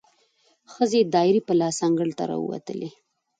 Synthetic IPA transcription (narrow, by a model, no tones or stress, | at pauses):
xəzed̪ɑɪɾipəlɑsaŋɡəɽt̪aɾɑ̰ṵwa̰t̪əlʔe